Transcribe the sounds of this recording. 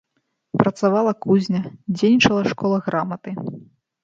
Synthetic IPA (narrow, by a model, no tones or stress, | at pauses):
pɾɐt̪savalˠɐkuzʲnʲɐd͡zʲejʲnʲit͡ʂɐlˠɐʂkɔlˠɐɣɾamɐt̪ɨ